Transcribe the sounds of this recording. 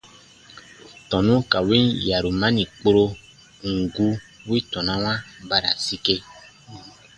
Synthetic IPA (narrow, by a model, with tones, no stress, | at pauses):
tɔ̃˨nũ˦ka˨wi˦nja˨ɾu˨mã˦nĩ˨k͡po˧ɾo˧ | ŋ̩˨ɡu˧wi˦tɔ̃˨nã˦wã˦ba˧ɾa̰˨si˧ke˧